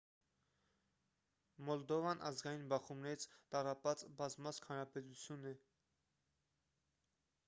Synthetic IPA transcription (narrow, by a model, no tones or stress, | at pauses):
mɔld̪ɔvɑnʔɑ̰zɡɑjinbɑχumnɛɾit͡sʰt̪ɑrɑpɑt͡sbɑzmɑskʰhɑnɾɑpɛt̪ut͡sʰjunɛ